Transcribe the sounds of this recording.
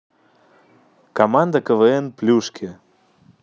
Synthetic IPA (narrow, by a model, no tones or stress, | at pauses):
komɑnd̪əkəvəenplʲuʃkʲʰe